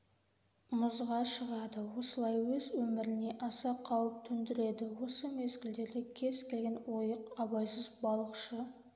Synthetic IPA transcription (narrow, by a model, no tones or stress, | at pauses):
mʊzʁɑʃəʁɑd̪əwo̞səlˠɑjwɵzwɵmɪɾɪne̞ʔɑsɑqʰɑwəp̚t̪ʰʏnd̪ɪɾe̞d̪ɪwo̞səme̞zɡʲɪld̪e̞ɾd̪ʲekʲʰe̞z̥kʲʰe̞lɡʲe̞nwo̞jəqɑbɑjsəzbɑlˠəqʃə